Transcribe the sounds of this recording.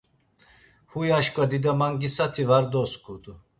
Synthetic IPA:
hujaʃkʼvad̪id̪amaŋɡisat̪ʰivaɾd̪ɔskʼud̪u

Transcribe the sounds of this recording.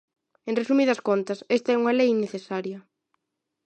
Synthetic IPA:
ẽnresumiðɐskont̪ɐsest̪ɐɛuŋɐlejneθesaɾjɐ

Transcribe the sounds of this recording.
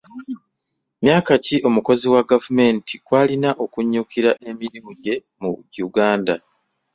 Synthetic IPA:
mjaːkaciʔo̞muko̞ziwaɡavume̞ːntikwaːlinaʔo̞kuɲːukʰiɾaʔe̞minimuɟe̞ | mṵuɡaːnda

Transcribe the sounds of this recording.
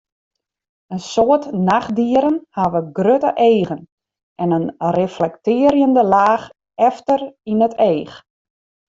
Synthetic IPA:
ənsoətnaxdiəɾənhaʋəɡrøtə̰ʔeːɣən | ʔɛnənreflɛktɪəɾjəndəlaːx | ɛftərinəteːx

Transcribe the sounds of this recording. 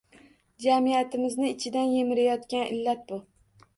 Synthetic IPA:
d͡ʒamijat̪ʰɪmɪznɪːt͡ʃʰɪd̪anjemɪɾajɒt̪kʲanʔɪ̰lːat̪̚bʊ

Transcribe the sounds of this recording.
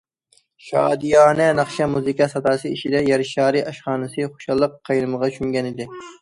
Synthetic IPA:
ʃɑ̰ːd̪ijɑːnɛnɑχʃɛmuzɨkʲɑsɑt̪ɑːsɨiʃid̪ɛjɑɾɪʃɑːɾɨʔɑʃχɑːnɨsɨχo̥ʃɑlˠːəqʰːɑjɾɨməʁɑt͡ʃʰyŋɡʲɛnɪd̪ɪ

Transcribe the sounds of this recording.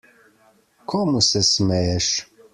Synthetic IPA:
kʰomusæsmæjæʃ

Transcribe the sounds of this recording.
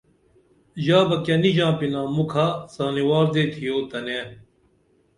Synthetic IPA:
ʑaːbɐkɐniʑãːpinãːmukʰaːsaːniwaːɾd̪eːt̪ʰijoːt̪ɐneː

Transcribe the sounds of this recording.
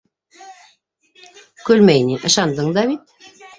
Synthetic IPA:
kɵlmæjniʔɤ̆ʃɑnd̪ɤɴd̪ɑβit̪

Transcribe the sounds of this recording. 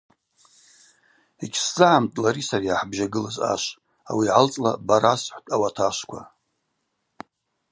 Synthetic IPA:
eɡʲʰsd͡zɨʕamtʼlaɾisariaħbʒaɡɨlaza̰ʃʷ | a̰wiʕalt͡sʼlabaɾasħʷtʼawatʰaʃʷkʷʰa

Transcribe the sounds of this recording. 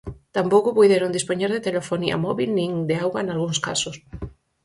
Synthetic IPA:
t̪ampowkopujðeɾond̪ispoɲeɾðet̪elefonia̰mɔβilnĩŋd̪eawɣaenalɣuŋska̰sos

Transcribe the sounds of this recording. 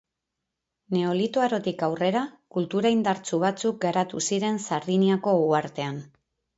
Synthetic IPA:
ne̞o̞lit̪oaɾo̞t̪ikawre̞ɾakult̪uɾaind̪aɾt͡suβ̞at͡suk̚ɡaɾat̪usiɾe̞nsaɾðiniako̞uaɾt̪e̞an

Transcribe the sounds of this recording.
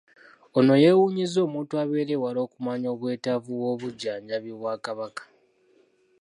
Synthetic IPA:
ono̞je̞wuɲizo̞ːmuːntuaβe̞ːɾewalo̞ːkumaɲo̞ːβwe̞ːtavuwo̞βuɟːaːɲɟaβjoβwaːkaβakḁ

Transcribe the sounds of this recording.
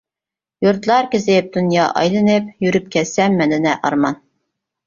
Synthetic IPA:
juɾt̪lˠɑɾkʲɪzɪp̚d̪̥unjɑʔɑ̰jlˠɨnɨp̚jyɾyp̚kʲʰɛsɛmːɛnd̪ɪnɛʔɑɾmɑn

